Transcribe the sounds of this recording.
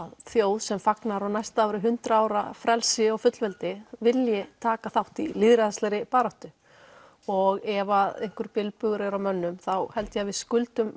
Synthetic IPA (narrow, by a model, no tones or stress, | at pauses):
aðθjoːwðsɛmfaknaɾawnajst̪aawɾɪɦʏnt̪ɾaaːwɾafɾɛlsɪɔɣfʏt̪lvɛlt̪ɪvɪljɪt̪ʰaːkaθawht̪ilɪðɾɪðast̪ɛɾɪpaːɾawht̪ʏ | ɔɣɛvaðejŋ̥kʏɾ̥pɪlpʏɣʏɾɛɾawmœnːʏmθawhɛlt̪javɪðskʏlt̪ʏm